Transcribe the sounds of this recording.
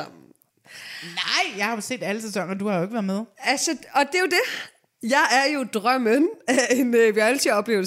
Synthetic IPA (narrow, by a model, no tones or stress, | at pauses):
m | nɑ̈ɪ̰jɑ̈ɪhɑ̈se̝̰ːd̥æləs̬esɒ̽ŋ̰ɐɐd̥uhɑ̈joe̝ɡ̥ʋæɐðˠmeð̞ˠælsəɒ̽d̥e̝jo̝d̥e̝ | jɑ̈ɪʔæɐjo̝d̥ʁɶmənæe̝nʋiælt͡sʰiðˠɒ̽b̥le̝ːʊl